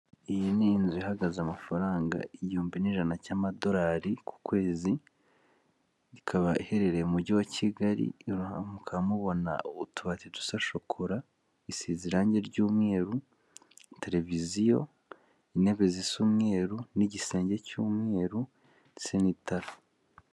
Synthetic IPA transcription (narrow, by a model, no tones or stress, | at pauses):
ijininzihaɡazamafaɾaːŋɡa̰iɟiuːmbiniʒanacaːmado̞ɾaːɾiku̥kwe̞ːzi | ikʰaβaihe̞ɾe̞ɾeumuɟiwacʰiɡaɾḭɾuhamukʰamuβo̞na̰oβutuβatitu̥saʃokʰoɾa | isiziɾaːɲɟe̞ɾɟuːmŋe̞ːɾu | te̞ɾe̞vizijo̞ | ine̞βe̞zisumŋe̞ːɾuniɟise̞ːɲɟe̞cuːmŋe̞ːɾu | senitaɾa